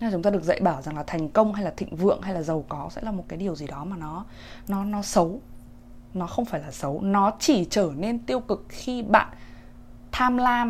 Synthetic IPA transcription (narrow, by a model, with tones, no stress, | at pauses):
aː˨˩t͡ɕʊ˨˦ŋ͡m̪aː˧ɗɨ˨˩ək̚zə̰˧˨jɓaː˧˩wza˨˩ŋlaː˨˩t̪ʰɛ˨˩jŋ̟kə˧wŋ͡mha˧jlaː˨˩t̪ʰḭ̈˧˨ŋ̟vɨ̰˧˨əŋha˧jlaː˨˩zə˨˩wkɔ˨˦sɛ̰˧˥laː˨˩mo˨˩t̚kaː˨˦jɗi˨˩əwzi˨˩ɗɔ˨˦maː˨˩nɔ˨˦ | nɔ˨˦nɔ˨˦sə˨˦w | nɔ˨˦xə˧wŋ͡mfaː˧˩jlaː˨˩sə˨˦wnɔ˨˦t͡ɕi˧˩t͡ɕəː˧˩ne˧nt̪i˧əwkɨ˨˩k̚xi˧ɓa̰ː˧˨n | t̪ʰaː˧mlaː˧